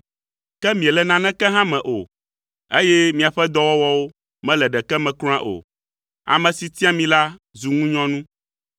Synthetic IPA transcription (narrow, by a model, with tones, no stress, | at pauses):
kɛ˦mĩ˨ɛ˨lɛ˨nã˨nɛ̃˦kɛ˦ɦã˦mɛ̃˨ʔo˨ | e˦jɛ˦mĩ˨a˨ɸɛ˦d̪ɔ˦wɔ˦wɔ˦wo˦ | mɛ̃˦lɛ˨ɖɛ˨kɛ˦mɛ̃˨klɔ̃˦ã̰˦ʔo̰˨ | a̰˨mɛ̃˨si˨t̪i˦a˦mĩ˨la˦zu˨ŋũ˦ɲɔ̃˦nũ˦